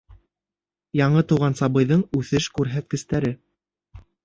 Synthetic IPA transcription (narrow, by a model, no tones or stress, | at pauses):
jɑɴɤt̪uwʁɑnsɑβɤ̆jðɤɴʉθɘʃkʉɾɦæt̪̚kɘ̆st̪æɾɘ